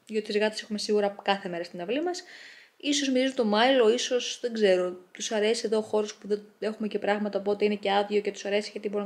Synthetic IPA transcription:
ʝot̪izɣɐt̪e̥se̞xume̞siɣuɾɐkɐθe̞me̞ɾɐst̪inɐvlimɐs | iso̞zmiɾizunt̪o̞mɐilo̞iso̞sðe̞ɡze̞ɾo̞t̪usɐɾe̞sie̞ðo̞xo̞ɾo̞spuðee̞xumece̞pɾɐɣmɐt̪ɐop̬o̞t̪eine̞ce̞ɐðʝiocet̪usɐɾe̞siʝɐt̪ibo̞ɾinɐ

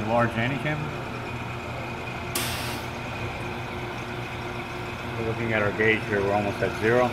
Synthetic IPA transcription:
lɑɹd͡ʒæ̃nikʰæ̃m | wə˞lʊkɪ̃ŋɨɾaə˞ɡeɪʒ̥həɹwɪɔlˠmoʊstɨtz̥ɪɹoʊ

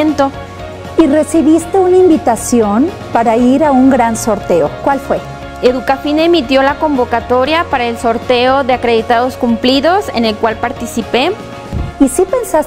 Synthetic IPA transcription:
ent̪o̞ | ire̞siβist̪e̞unaimbit̪asjon | paɾaiɾauŋɡɾanso̞ɾt̪e̞okwalfwe̞ | eðukafinemit̪jo̞lako̞mbo̞kat̪o̞ɾjapaɾaelso̞ɾt̪e̞oðe̞akɾe̞ðit̪að̞o̞skumpliðo̞sḛne̞lkwalpaɾt̪isipe̞ | isipensas

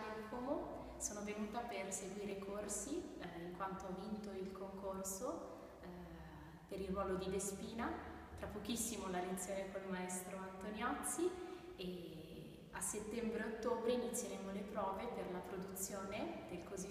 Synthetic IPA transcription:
ekomo | soːnovenuːt̪aperseɡwiːɾekʰorsiiŋkwant̪oavːint̪oilkoŋkorso | peɾilrːwɔːlod̪id̪espiːna | t̪ɾapːok̟isːimolalet̪sjoːnekolmaɛst̪ɾoant̪onjat̪sːi | e | aset̪ːɛmbɾeot̪ːoːbɾeinit̪sːjeɾɛmolepɾɔːveperlapɾod̪ut̪sːjoːned̪̥elkozi

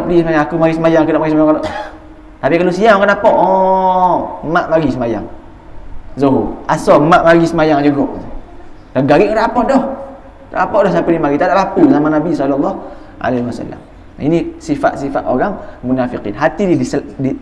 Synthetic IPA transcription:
apədisəmajaŋakumaɡisəmajaŋkudaʔmaɡis̬əmajaŋkadɔʔ | t̪apikalosiamkanapɔʔɔ | maʔmaɡisəmaja̰ŋ | zuɦuasɔmaʔmaɡisəmajaŋd͡ʒuɡɔʔ | kaɡaɾiʔkadaʔapɔʔdɔh | da̰ʔapɔʔdɔhsapɛnimaɡit̪adaʔlapuzamanabisɔlɔlːɔh | ʔa̰leiwasa̰lːa̰m | ḭnisifa̰ʔ̪sifa̰t̪o̰ɾaŋmunafiqḭnɦat̪ididisdi

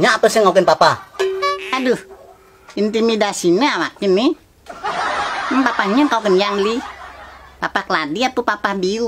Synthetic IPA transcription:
ɲaːp̪əsiŋok̬ɪnpapa | aduh | int̪imidasinəawakini | mmpapahɲəkaukənjaŋli | papakəladiat̪upapahbiu

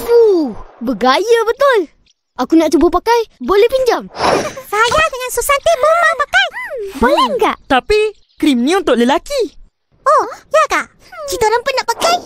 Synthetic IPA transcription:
ubəɡajəbət̪ʊl | akunaʔt͡ʃubəpakajbolɛhpiɲd͡ʒamsajadəŋansusant̪ibəmapakajbolɛŋɡa̰ʔt̪api | kɾimnĩunt̪ʊʔləlaki | ojakaʔ | t͡ʃit̪aɾaŋpʊnːaʔpakaj

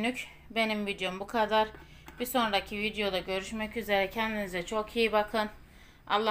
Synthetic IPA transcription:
nyc | be̞nimvid̪ejo̞mbukʰad̪aɾ | b̥iso̞nɾacʰivid̪jo̞d̪aɟø̞ɾyʃmɛcyze̞ɾɛcʰɛnd̪inizɛt͡ʃʰo̞kʰijibakʰɯn | a̰lˠːa

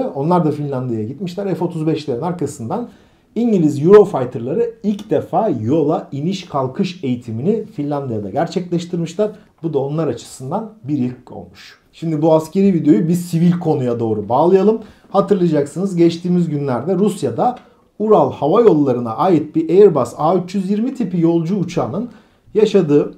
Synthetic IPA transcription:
o̞nlˠaɾd̪afinlʲand̪ijajaɟit̪miʃlʲæɾɛfo̞t̪ʰuzbɛʃlʲeɾinaɾkʰasɯnd̪an | iɲɟilʲizjuɾo̞fajt̪ʰɯɾlˠaɾɯilʲcd̪efaːjo̞lˠainiʃkʰalˠkʰɯʃe̞jit̪ʰiminifinlʲand̪ijad̪a̰ɟæɾt͡ʃʰɛclʲɛʃt̪ʰiɾmiʃlʲˠaɾ̥ | bud̪ao̞nlˠaɾat͡ʃʰɯ̥sɯnd̪anbiɾjɯkːo̰lˠmuʃ | ʃimd̪ibuasce̞ɾiːvid̪eo̞jubiɾsivilʲkʰo̞nujad̪o̞ːɾubaːlˠɯjalˠɯm | hat̪ʰɯɾlˠajad͡ʒaksɯnɯzɟɛt͡ʃt̪ʰiːmizɟynlʲæɾd̪ɛɾusjad̪a | uɾalˠhavajo̞lˠːaɾɯna̰ʔaːjit̪̚biɾʔejɛɾbasaːyt͡ʃjyzjiɾmit̪ʰipijo̞lˠd͡ʒuːt͡ʃʰaːnɯn | jaʃad̪ɯː

